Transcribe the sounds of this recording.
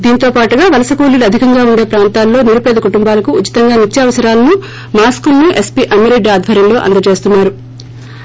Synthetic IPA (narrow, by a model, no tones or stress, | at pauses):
d̪iːnt̪o̞ːpaːʈuɡaːʋɐlɐsɐkoːliluɐd̪ʱikɐŋɡaːuɳɖe̞ːpɾaːnt̪aːlːo̞ːniɾupeːd̪ɐkuʈumbaːlɐkuːt͡ʃːi̥t̪ɐŋɡaːnit͡ʃːɐɐʋɐsɐɾaːlɐnu | maːskulnuʔe̞spiʔɐmɐɾeɖaːd̪ʱbʱɐɾjɐmlo̞ːʔɐ̰nd̪ɐt͡ʃe̞ːst̪unːaːɾu